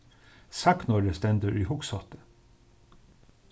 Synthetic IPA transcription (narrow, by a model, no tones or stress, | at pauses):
sɑktnɔɖest̪ɛnd̪əɹiːhʊksɔt̪ə̥